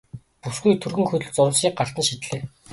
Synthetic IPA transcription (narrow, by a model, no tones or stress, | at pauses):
pusɡujt̪ʰɵrɣɵ̆ŋxɵt̪ɵ̆ɮt͡sʊw̆ɮsʃiːk̚ɢar̥t̪ə̆nʃit̪ɮeː